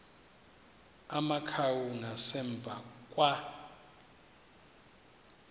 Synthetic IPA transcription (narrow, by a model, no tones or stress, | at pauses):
amakʰawunasɛɱb̪vʱakʼwa